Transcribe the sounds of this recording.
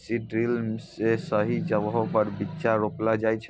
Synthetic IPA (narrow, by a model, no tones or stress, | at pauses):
siɖɾilmsesəɦid͡ʒəbɦopəɾbitːʃaɾoplad͡ʒajt͡ʃʰ